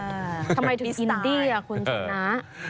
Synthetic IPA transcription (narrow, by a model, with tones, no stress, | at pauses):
a˧ma˧jt̪u˨˧˩i˧d̪iː˥˩a˨˩kʰu˧nt͡ɕʰa˧na˦˥ʔ